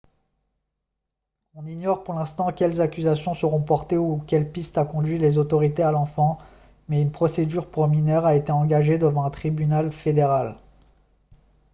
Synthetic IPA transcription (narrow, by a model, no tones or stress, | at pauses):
ɔ̃niɲɔʁpuʁlɛ̃st̪ɑ̃kʲɛlzakʲyzasjɔ̃səʁɔ̃pɔʁt̪eukʲɛlpist̪akɔ̃d̪ɥilezot̪ɔʁit̪ealɑ̃fɑ̃ | mɛynpχɔsed̪yʁpχɔminœʁaet̪eɑ̃ɡaʒed̪əvɑ̃ɛ̃t̪χibynalfed̪eʁal